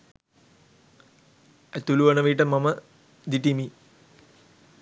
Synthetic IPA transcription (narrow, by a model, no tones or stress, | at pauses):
æt̪uluʋɐnəʋiʈəmamə | d̪iʈimi